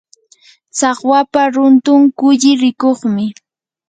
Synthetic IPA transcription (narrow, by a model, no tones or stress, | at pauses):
sɑχwapaɾʊnt̪ʊŋkʊʎɪɾɪkoχmɪ